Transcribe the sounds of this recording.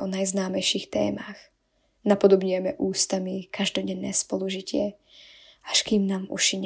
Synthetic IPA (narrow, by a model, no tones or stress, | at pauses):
ɔnajznaːmɛjʃixt̪ɛ̰ːmax | napɔd̪ɔbɲʊɛmɛʔuːst̪amikaʒd̪ɔɟɛnːɛːspɔluʒicɪɛ | aʃkiːmnaːmṵʃiɲ